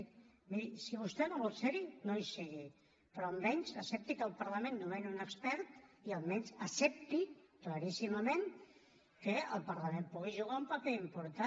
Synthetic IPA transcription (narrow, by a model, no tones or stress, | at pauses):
miɾisiβust̪ɛnoβolˠt̪sɛɾinojsiɣi | pɾɔəmbɛɲzəsɛp̚t̪ikəlˠpəɾləmẽnːoβɛnunəkspɛɾt̪iəlˠmɛɲzəsɛp̚t̪iklaɾisiməmen | kəəlˠpəɾlɐmempuɣ̞iʒuɣ̞aumpəpeimpuɾt̪a